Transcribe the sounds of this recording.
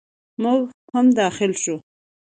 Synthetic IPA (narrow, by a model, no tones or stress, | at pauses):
mʊɡhamd̪ɑxɪlʃu